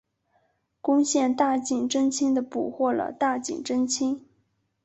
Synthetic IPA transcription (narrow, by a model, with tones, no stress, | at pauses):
kʊ˥ŋɕjɛ˥˧nt̪a˥˩t͡ɕi˨˩ŋʈ͡ʂə˥ŋt͡ɕʰi˥ŋd̪ə˨pu˨˩xwɔ˥˩lə̰˩t̪a˥˩t͡ɕḭ˨˩ŋʈ͡ʂə˥nt͡ɕʰi˥ŋ